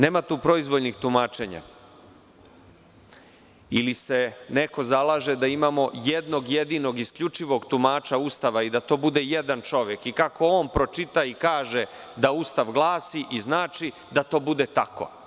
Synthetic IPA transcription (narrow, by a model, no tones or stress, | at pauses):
neːmat̪uːpɾo̞izʋolnixt̪umaːt͡ʃe̞ɲa̰ | ilise̞ne̞ko̞zalˠaːʒed̪aimamo̞jed̪no̞ɡjed̪iːno̞ɡiskʎut͡ʃiʋo̞ɡt̪umaːt͡ʃaust̪aʋaid̪at̪o̞ːbud̪eje̞d̪ant͡ʃo̞ʋjekikakʰo̞oːnpɾo̞t͡ʃit̪aikaːʒe | d̪aust̪aʋɡlˠaːsiʔiznaːt͡ʃi | d̪at̪o̞ːbud̪et̪ako̰